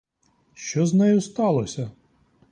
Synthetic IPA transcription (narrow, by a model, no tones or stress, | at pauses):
ʃt͡ʃɔznɛjʊst̪ɑlˠɔsʲɐ